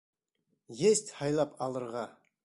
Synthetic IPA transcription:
jest̪hɑjlˠɑpʰɑlˠəɾʁɑ

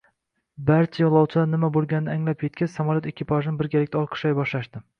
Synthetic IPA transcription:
baɾt͡ʃʰajɒlˠɒwt͡ʃʰɪd̪anɪmabolˠɡʲanɪnɪaŋlapʰjet̪̚kʲɪz̥samaljot̪ekʲʰːɪpʰaʒɪnɪbɪɾɡʲalɪk̚ʲt̪aɒlˠqʰɨ̥ʃɒjbɒʃlaʃd̪ɪ

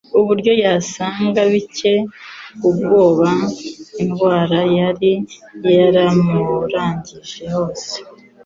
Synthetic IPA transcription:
uβuɾɟo̞jasaːŋɡaβice̞ubɡo̞ːβainɡwaːɾajaɾijaɾamuɾaːɲɟiʒe̞ho̞ːse̥

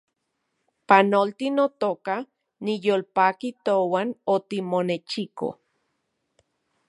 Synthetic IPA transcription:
panolt̪inot̪oka | nijolpakit̪owanot̪imonet͡ʃiko̰

